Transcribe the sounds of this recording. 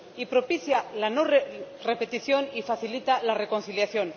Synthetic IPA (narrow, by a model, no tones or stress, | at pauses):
ipɾo̞piθjalanoe | re̞pe̞t̪iθjo̞nifaθilit̪alare̞ko̞nθiljaθjo̞n